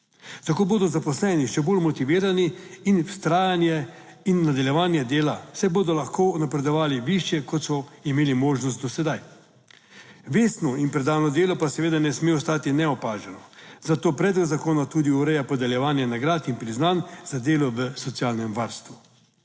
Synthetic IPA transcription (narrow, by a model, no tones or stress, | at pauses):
t̪akoːboːd̪ɔzapɔslɛniʃɛboːlmɔt̪iʋiːɾaniinwst̪ɾaːjanjɛ | inːad̪aljɛʋaːnjɛd̪eːlasɛboːd̪ɔlaxkoːɔnapɾɛd̪ɔʋaːliʋiʃjɛkɔt̪sɔimeːlimoːʒnɔst̪d̪ɔsɛd̪aj | ʋeːsnɔinpɾɛd̪aːwnɔd̪eːlɔpasɛʋeːd̪anɛsmeːɔst̪aːt̪inɛɔpaːʒɛnɔzat̪oːpɾɛd̪lɔɡzakoːnat̪uːd̪iuɾɛjapɔd̪ɛljɛʋaːnjɛnaɡɾaːt̪inpɾiznanzad̪eːlɔʋəsɔt̪siaːlnɛmʋaɾst̪ʋu